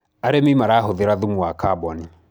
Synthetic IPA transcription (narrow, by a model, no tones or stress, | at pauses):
aɾemimaɾaːɦoðeɾaðumuakabɔni